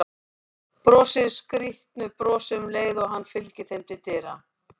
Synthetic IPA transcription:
pɾɔːsɪɾskɾiht̪nʏpɾɔːsɪʏmleːjðɔɣɦanːfɪlcɪθejmt̪ʰɪt̪ɪːɾa

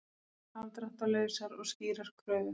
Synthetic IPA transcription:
ant̪ɾaht̪alœːɥsaɾɔ̰ɣsciːɾaɾ̥kʰvɾœːɥðʏ

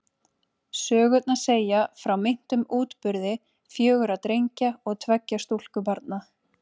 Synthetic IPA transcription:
sœːɣʏt̪̚nḁseːjafɾawmɪn̥t̪ʏmuːt̪pʏɾðɪ | fjœːɣʏɾat̪ɾejɲcaɔɣt̪ʰvɛcːast̪ul̥kʏpaɾt̪̚na

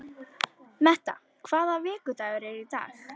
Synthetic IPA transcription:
mɛht̪a̰ | kʰv̥aːðavɛːkʏt̪aɣɾeit̪a̰ːx

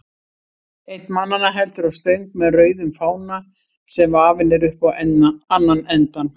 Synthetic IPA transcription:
ejt̪nmanːanaɦɛlt̪ʏɾavst̪œɥŋkmɛðrœːɥðʏmfaːwna | sɛmvaːvɪnɛɾʏhpaanːanɛnt̪an

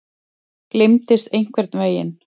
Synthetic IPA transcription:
klɪmt̪ɪst̪ejŋ̥kʰvɛɾ̥t̪nveːjɪ̰n

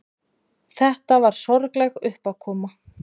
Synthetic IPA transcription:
θɛht̪avaɾ̥sɔɾklɛɣʏhpakʰɔːma

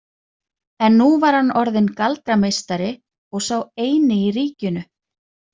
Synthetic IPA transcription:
ɛnːuvaɾ̥hanːɔɾðɪnkalt̪ɾamejst̪aɾɪ | ɔɣsaːweːjnɪiɾiːcʏnʏ

